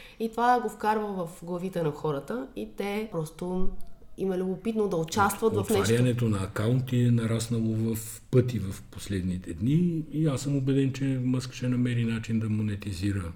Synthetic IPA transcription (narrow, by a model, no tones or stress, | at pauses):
it̪ovaɡofkaɾvəvɐfɡlˠɐvit̪ɛnɐxɔɾət̪əit̪ɛpɾɔst̪o | imɐlʲʊbopit̪nod̪ɐot͡ʃast̪vɐt̪vɐfnɛaɾanɛt̪onɐːkaunt̪iɛnɐɾasnəlˠovɐf | pɤt̪ivɐfposlɛd̪nit̪ɛd̪niiasəmobɛd̪ɛnt͡ʃɛməskə̥ʃɛnɐmɛɾinat͡ʃind̪ɐmonɛt̪iziɾə